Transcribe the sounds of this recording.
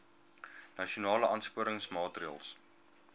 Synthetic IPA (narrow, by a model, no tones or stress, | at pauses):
nɐʃionɑːləʔɑnspuəɾəŋsmɑːtriə̰lˠs